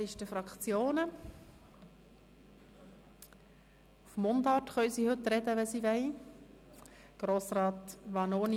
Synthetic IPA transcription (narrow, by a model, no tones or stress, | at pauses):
ɪʃtəfɾɑkt͡sjoːnə | ufmːʊndɑtχœʏsiːhɵtɾɛdəʋɛsiːʋɛɪ | ɡ̥ɾoːsɾɑːtʋɑnoːn